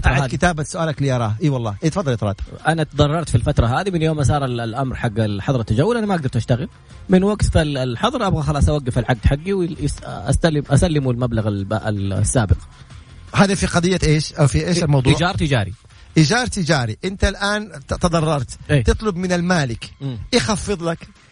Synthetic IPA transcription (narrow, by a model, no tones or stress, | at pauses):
t̪aʕakɪt̪aːbasʊʔaːlakliʔɑɾˤɑːhʔiːwɑlˤːɑːʔiːt̪fɑd̪ˤːɑlt̪ɾɑ̰ːd̪ʔanat̪ðˤɑrˤːɑɾˤt̪filfat̪ɾˤɑɦaːðimɪnjoːmas̬ˤɑːɾˤɪllʔamɾħaɡːɪlħɑðˤɾɑt̪ːad͡ʒawːʊlʔanamaʔaɡ̚d̪ɑɾˤt̪ʔaʃt̪aɣɪl | mɪnwaɡt̪fallħɑðˤɾˤʔabɣaxɑlɑːsˤʔawaɡːɪfɪlʕaɡ̚d̪ħaɡːiwʔa̰st̪alːɪmʔasalːɪmulmablaɣalbaʔɪ̰lsːaːbɪq | haːðafiqɑd̪ðˤɪjːaʔeːʃʔawfiʔeːʃlmɑwðˤːd͡ʒɑːɾˤt̪ɪd͡ʒa̰ːɾḭ | ʔɪd͡ʒɑːɾˤt̪ɪd͡ʒaːɾiʔɪnt̪alʔaːnt̪ɑd̪ˤɑrˤːɑɾˤt̪ʔeːt̪ɨt̪ˤlʊbmɪnɪlmaːlɪkmːɪxɑfːɨðˤlak